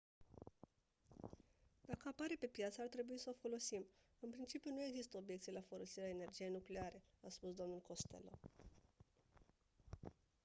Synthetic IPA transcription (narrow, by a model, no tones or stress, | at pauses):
d̪̥akəapaɾe̞pe̞pjat̪səart̪ɾe̞buisəofo̞lo̞sim | ɨnpɾint͡ʃipjunue̞ɡzist̪əo̞bjekt̪sijlafo̞lo̞siɾeaene̞rd͡ʒije̞jnukle̞aɾe̞aspusd̪o̞mnulko̞st̪e̞̰lo̞̰